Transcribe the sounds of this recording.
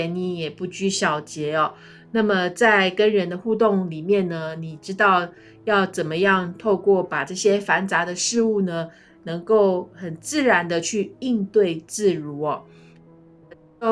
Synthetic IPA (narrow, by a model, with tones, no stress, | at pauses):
ɛ˧ni˧˥jɛ˨˩pu˥˩t͡ɕy˥ɕjɑ˨˩ʊt͡ɕjɛ˧˥ɔ˨ | na˥˩mə˨t͡sa˥˩ɪkə˦nɻə˧˥nd̪ə˧xu˥˧t̪ʊ˥˩ŋli˨˩mjɛ˥˩nnə˩ni˨˩ʈ͡ʂɻ̩˥t̪ɑ˥˧ʊ | jɑ˥˩ʊt͡sə˨˩nmə˦jɑ˥˧ŋt̪ʰo˥˧ʊkwɔ˥˩pa˨˩ʈ͡ʂɤ˥˩ɕjɛ˥fa˧˥nt͡sa˧˥d̪ə˧ʂɻ̩˥˧u˥˩nə˩ | nɤ˧˥ŋko˥˩ʊxə˨˩nt͡sɹ̩˥˩ɻa˧˥nd̪ə˧t͡ɕʰy˥˧i˥˧ŋt̪we˥˧ɪt͡sɹ̩˥˩ɻu˧˥ɔ˨˩˥